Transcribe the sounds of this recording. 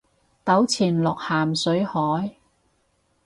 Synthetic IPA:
t̪ɐ˨˥wt͡sʰiː˨˩nlɔː˨k̚haː˨˩msɵ˨˥ɥhɔː˨˥j

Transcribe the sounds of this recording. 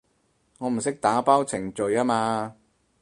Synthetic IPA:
ŋɔː˨˧m̩˨˩sɪ˥k̚t̪aː˨˥paː˥wt͡sʰɪ˨˩ŋt͡ʃɵ˧jaː˥maː˧

